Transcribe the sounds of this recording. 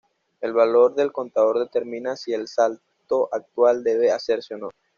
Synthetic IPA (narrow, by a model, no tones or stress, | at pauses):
e̞lβalo̞ɾðe̞lko̞nt̪aðo̞ɾðe̞t̪e̞ɾmĩnasielsal | t̪o̞ʔak̚t̪wald̪e̞βease̞ɾseono